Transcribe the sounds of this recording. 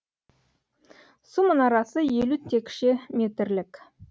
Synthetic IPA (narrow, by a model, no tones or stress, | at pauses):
sumənɑɾɑsəjelut̪ʰːekʃemʲet̪ɾlɪk